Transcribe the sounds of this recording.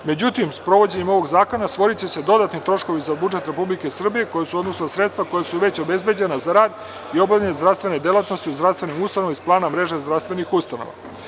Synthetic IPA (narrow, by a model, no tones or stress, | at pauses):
me̞d͡ʑut̪imspɾo̞ʋo̞d͡ʑe̞ɲe̞mo̞ʋo̞ɡzaːko̞nast̪ʋo̞ɾit͡ɕe̞se̞d̪o̞d̪at̪nit̪ɾo̞ʃko̞ʋizabud͡ʒe̞t̪ɾe̞publike̞sr̩bije̞ko̞jesuod̪no̞snasɾet̪st̪vʋako̞jasuʋet͡ɕo̞be̞zbe̞d͡ʑe̞nazaɾaːd̪ | io̞bavʎʲenezd̪ɾafst̪vʋe̞ned̪elat̪no̞st̪iuzd̪ɾafst̪ve̞nimust̪ano̞ʋmisplˠaːnamɾe̞ʒezd̪ɾavst̪ʋe̞nixust̪ano̰ʋa̰